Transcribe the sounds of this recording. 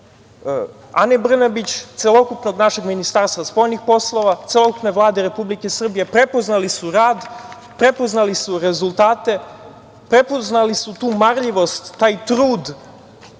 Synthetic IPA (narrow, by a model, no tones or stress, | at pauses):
a̰nebr̩nabit͡ɕt̪selo̞kupno̞ɡnaʃe̞ɡminist̪aɾst̪ʋaspo̞jnixpo̞slˠo̞ʋat̪selˠo̞kupneʋlˠaːd̪eɾe̞publike̞sr̩bije̞pɾe̞po̞znalisuɾaːd̪ | pɾe̞po̞znalisuɾe̞zulˠt̪aːt̪e̞ | pɾe̞po̞znalisut̪uːmaɾʎiʋo̞st̪ːaːjt̪ɾuːd̪